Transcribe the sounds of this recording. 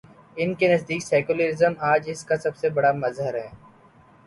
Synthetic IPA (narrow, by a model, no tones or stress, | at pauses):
ɪnkenɐzd̪iːksɛːkʊləɾɪzəmaːd͡ʒɪskasɐbsebɐɽamɐzɦəɾɦɛː